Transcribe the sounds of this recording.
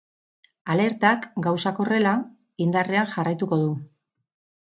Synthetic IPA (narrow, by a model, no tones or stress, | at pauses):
ale̞ɾt̪akɡawsako̞re̞la | ind̪are̞aŋʝarajt̪uko̞ð̞u